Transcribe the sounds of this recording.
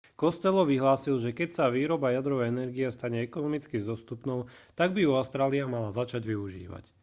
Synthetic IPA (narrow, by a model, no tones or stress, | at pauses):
kɔst̪ɛlɔʋiɦlaːsilʒɛkɛcsaʋiːɾɔbajad̪ɾɔʋɛjɛnɛɾɡiɛst̪aɲɛɛkɔnɔmit͡skizd̪ɔst̪upnɔʊt̪aɡbiuaʊst̪ɾaːliamalazat͡ʃaɟʋiuʒḭːʋa̰c